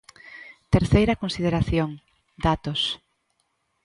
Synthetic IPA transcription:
t̪eɾθejɾɐkonsið̞eɾaθjoŋ | d̪at̪os

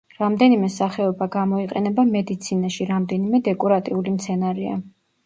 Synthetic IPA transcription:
ɾamd̪ɛnimɛsaχɛɔbaɡamɔiqʼɛnɛbamɛd̪it̪sʰinaʃiɾamd̪ɛnimɛd̪ɛkʼɔɾat̪ʼiulimt̪sʰɛnaɾɛa̰

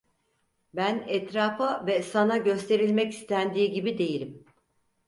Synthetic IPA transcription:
bænɛt̪ɾaːfavɛsanaɟø̞st̪ʰe̞ɾilʲmɛci̥st̪ʰænd̪iːɟibid̪e̞jilʲim

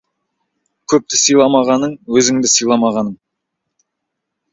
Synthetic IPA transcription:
kʲʰɵp̚t̪ɪsijlˠɑmɑʁɑnəɴwɵzɪŋd̪ɪsəjlˠɑmɑʁɑnəɴ

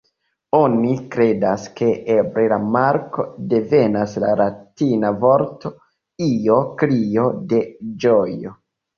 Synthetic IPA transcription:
onikɾe̞daske̞ʔebɾelamaɾko̞de̞ve̞nasla̰ɾatinavo̞ɾto | io̞klio̞de̞d͡ʒojo

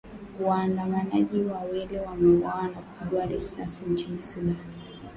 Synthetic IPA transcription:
waːndamanaʄiwawɛlɛwamɛwawanakuɓuaɾɛsa̰siɲt͡ʃinisudani

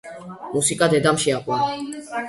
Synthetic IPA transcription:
musikʼad̪ɛd̪amʃiakʼɔn

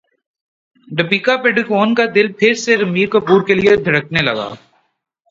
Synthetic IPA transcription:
ɖɐpiːkapeɖɪkoːnkad̪ɪlpʰɪɾseɾɐmiːɾkopuːɾkelieb̪ʱɪɾək̚ʰnelɐɡa̰ː

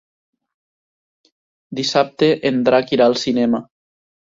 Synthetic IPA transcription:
d̪isap̚t̪eʔend̪ɾakiɾalˠsinɛma

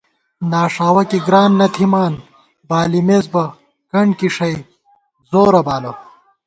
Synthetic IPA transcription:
naːʂaːwɐkiɡɾaːnːɐt̪ʰimaːn | baːlimezbɐ | kɐɳɖkiʂɐj | zoːɾɐbaːlɐ

